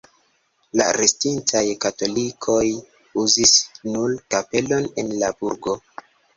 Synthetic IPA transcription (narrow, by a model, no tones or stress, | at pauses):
la̰ɾestintajkato̞likʰo̞j | uzisnulkape̞lo̞ne̞nlabuɾɡo̞